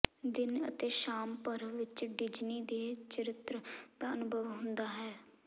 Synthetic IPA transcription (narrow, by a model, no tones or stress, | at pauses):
d̪ɪnə̰t̪eːʃaːmpəɾʋɪt͡ʃɖɪd͡ʒniːd̪eːt͡ʃəɾɪt̪ɾəkaənʊbʱəʋɦʊ̃nd̪aːɦɛː